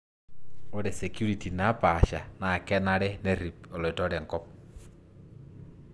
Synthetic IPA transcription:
o˦ɾɛ˨sɛ˨kju˦ɾi˨ti˨na˨˦pa˨ʃa˨na˨kɛ˦na˦ɾɛ˦ne˦ɾi˨pɔ˨lɔ˨i˨tɔ˦ɾɛ˨ŋkɔ˦m

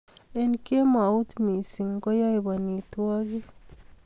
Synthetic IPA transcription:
e˦nke˦ma˨u˦t̪mi˨si˨ŋɡo˦ja˦jba˨ni˨t̪ua˦ɡi˦

